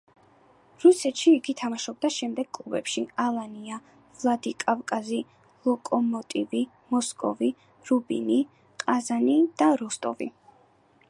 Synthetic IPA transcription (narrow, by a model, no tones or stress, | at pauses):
ɾusɛt̪ʃiːɡit̪ʰamaʃɔb̚d̪aʃɛmd̪ɛɡ̥̚kʼlˠubɛpʃialˠania | vlˠad̪ikʼavkʼazi | lˠɔkʼɔmɔt̪ʼivi | mɔskʼɔvi | ɾubḭni | qʼazanid̪̥aɾɔst̪ʼɔ̰vḭ